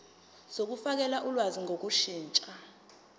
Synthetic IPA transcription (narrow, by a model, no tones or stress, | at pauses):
sok̬ufak̬ɛlaʔulwaziŋʱok̬uʃiːnt͡ʃʼa